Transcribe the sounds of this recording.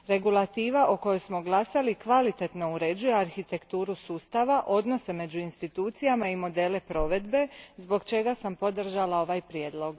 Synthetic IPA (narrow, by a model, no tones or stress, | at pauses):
ɾe̞ɡulˠat̪iːʋaʔoko̞jo̞jsmo̞ɡlasalikʋalit̪e̞t̪no̞uɾe̞d͡ʑuje̞aɾxit̪e̞kt̪uːɾusuːst̪aʋaʔo̞d̪no̞seme̞d͡ʑuinst̪it̪uːt̪sijamaimo̞d̪e̞ːle̞pɾo̞ʋe̞d̪be̞zbo̞ɡt͡ʃe̞ɡasampo̞d̪r̩ʒalao̞ʋajpɾje̞ːd̪lˠo̞ɡ